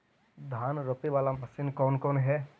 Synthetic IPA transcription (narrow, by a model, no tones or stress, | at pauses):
d̪ʱaːnɾopiʋaːlamɐsɪnkɔːnkɔːnɦɛː